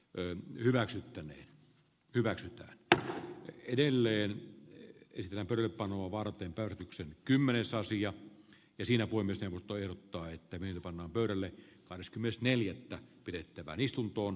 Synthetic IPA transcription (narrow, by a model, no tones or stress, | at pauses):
hyʋæksyt̪ːænḛːn | hyʋæksyt̪æ̰ːn | edelːeːn | esit̪et̪ːæːmpøyɾælːeppɑnoɑʋɑrɑt̪ˑeːmpæˑøræt̪yksenkymːenesɑsiɑ | jɑsiːnæpoˑimøsneˑuʋˑost̪ːˑoːehrot̪ːɑːet̪ːæmyenyt̪æpɑnːɑːmpøˑyɾælːe | kɑhdeskymːenest̪neljæt̪ːæpiɾet̪ːæʋæ̰ːnist̪unt̪oːn